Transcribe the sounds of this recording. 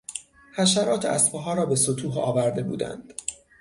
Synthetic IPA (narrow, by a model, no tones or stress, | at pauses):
hæʃæɾɒːt̪ʰeæ̰spɒɦɒːɾɒːbe̞sot̪ʰuːɦɒ̰ːvæɾd̪e̞bṵːd̪æ̰nd̪̥